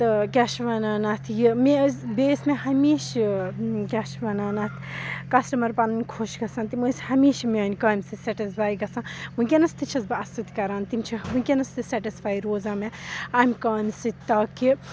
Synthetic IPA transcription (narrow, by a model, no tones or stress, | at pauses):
t̪ɨkʲaʃʋɐnaːnɐt̪ʰjimebeːsmeɦɐmiːʃ | kʲɐʃʋɐnaːnɐt̪ʰkɐsʈɐmɐɾpanɐnkʰoʃɡɐsãnt̪imɨshɐmiːʃmeɐnʲkaːmʲsisɛʈispʰaːjɡɐsãnmũkʲenɐst̪it͡ʃʰɐsbɐsut̪kɐɾaːnt̪imt͡ʃʰimũkʲenɐst̪isɛʈispʰaːjɾoːzaːmeaːmkaːmsit̪ɐki